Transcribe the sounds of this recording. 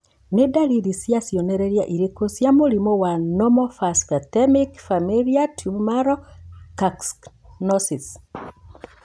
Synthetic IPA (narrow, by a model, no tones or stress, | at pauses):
nedaliɾisijasjɔnɛɾɛɾjaʔiɾekosjamoɾimɔwanɔmɔfaskatɛmikfamiliatʰumaɾɔkaks | nɔsis